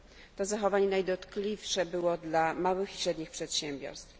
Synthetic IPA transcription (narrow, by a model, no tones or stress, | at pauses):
t̪ɔzaxɔvaɲɛnajd̪ɔt̪klʲifʂɛbɘwɔd̪lamawɘxiɕɾɛd̪ɲixpʂɛt̪ɕɛmbʲjɔ̰ɾst̪f